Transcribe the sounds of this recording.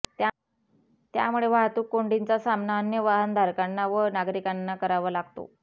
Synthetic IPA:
t̪a | t̪ja̰muɭeʋaɦt̪uːkːoɳɖint͡sasamnaənjəʋaɦənd̪ʱaɾkanːaʋənaɡɾikanːakəɾaʋəːlaɡt̪o̰

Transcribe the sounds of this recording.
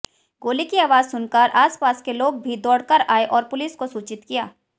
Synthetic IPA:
ɡoːlikiaːʋaːzsʊnkaːɾʔaːspaːskeloːɡ̚bʱid̪ɔːɽkəɾaːeʔɔːɾpʊlɪːskosuːt͡ʃɪt̪kijaː

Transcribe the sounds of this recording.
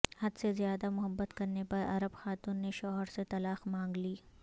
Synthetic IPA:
hɐd̪sezijaːd̪amʊɦəbːət̪kɐɾnepɐɾɐ̰ɾəbxaːt̪uːnːeʃɔːɦəɾset̪ɐlaːxmãːŋɡliː

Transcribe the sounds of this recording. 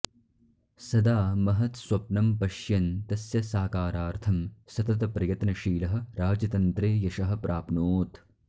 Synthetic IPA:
sɐd̪aːmɐɦɐt̪swɐpnɐmpɐʃjɐnt̪ɐsjɐsaːkaːɾaːɾt̪ʰɐmsɐt̪ɐt̪̬ɐpɾɐjɐt̪nɐʃiːlɐɦɐ̆ɾaːd͡ʒɐt̪ɐnt̪ɾeːjɐʃɐɦɐ̆pɾʔaːpnoːt̪

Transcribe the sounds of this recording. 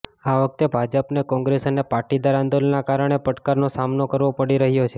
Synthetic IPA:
aʋək̚t̪ebʱad͡ʒəpnekɔ̃ŋɡɾesənepaʈid̪aɾand̪olnakaɾəɽ̃epəʈkaɾnosamnokəɾʋopəɽiɾəɦjot͡ʃʰe

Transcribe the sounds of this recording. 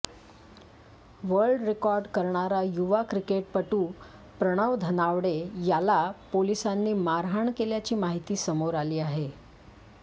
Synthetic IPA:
ʋəɾɭɖɾekɔɾɖkəɾɳaɾajuʋakɾikeʈ̚pəʈũː | pɾəɽ̃əʋd̪ʱənaʋɽejalapolisanːiːmaɾɦaɳkeljat͡ɕiːmaɦit̪iːsəmoɾaliːaɦe

